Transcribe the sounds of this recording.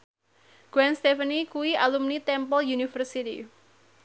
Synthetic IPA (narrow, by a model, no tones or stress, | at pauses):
ɡ̥wɛnst̪efənikuwiʔalumnit̪ɛmpɔljunifərsit̪ḭ